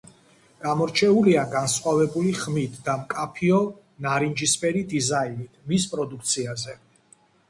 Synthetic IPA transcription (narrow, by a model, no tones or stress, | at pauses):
ɡ̥amɔɾt͡ʃʰɛuliaɡansχwavɛbuliχmit̪ʰd̪amkʼapʰiɔ | naɾind͡ʒispʼɛɾid̪izainit̪ʰmispʼɾɔd̪uk̚ʰt̪sʰiazɛ